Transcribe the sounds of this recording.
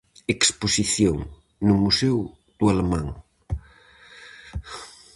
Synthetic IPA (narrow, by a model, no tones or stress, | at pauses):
eksposiθjoŋ | nʊmusɛw | d̪̥ualemãŋ